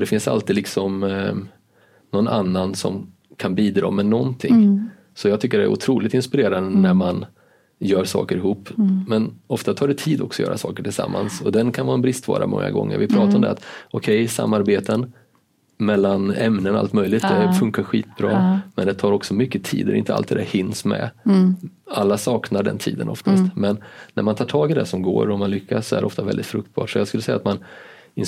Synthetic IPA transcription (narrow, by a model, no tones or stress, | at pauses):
d̪ɛfɪnsa̰lt̪ɪlɪksɔm | nɔna̰nːansɔ̰m | kʰanbiːd̪ɾɑ̰ːmɛnɔnt̪ʰɪ̰ŋ | sɔjɑɡt̪ʰʏk̬ːəɖɛæ̰ɾʊ̰t̪ʰɾuːlɪt̪ɪnspɪɾeːɾand̪ənæɾman | jœːɾʂɑ̰ːkəɾɪhuːpːmɛnɔft̪at̪ʰɑːɖɛt̪ʰiːd̪ɔ̰ksɔjœ̰ːɾasɑ̰ːkəʈʰɪlsa̰mːa̰nsɔd̪ɛnkʰanvɑːɛnbɾɪst̪vɑ̰ːɾa̰mɔ̰ŋːa̰ɡɔ̰ŋːə̰ɾvɪpʰɾɑːt̪aɾɔmd̪ɛ̰a̰t̪ɔkʰɛjsa̰mːaɾbeːt̪ən | mɛlːanɛmnənɔa̰lt̪mœjlɪɡt̪̚d̪ɛfɵŋkaɾɧiːt̪bɾɑːmɛnd̪ɛt̪ʰɑːɾɔksɔmʏkːət̪ʰḭːd̪ɛ̰ɾɪ̰nt̪əa̰lt̪ːɪd̪æhɪnːsmɛ̰ | alːasɑːknaɖɛ̰nt̪ʰḭːd̪ə̰nɔ̰ft̪ʰast̪mɛnːæɾmant̪ʰɑːʈʰɑːɡɪd̪ɛ̰sɔmɡo̰ːɾɔmanlʏkʰːassɔæ̰ɖɛ̰ʔɔft̪avɛldɪt̪fɾɵk̚t̪̚bɑ̰ːʈʂɔjɑskɵlːəsɛjːat̪man | ɪn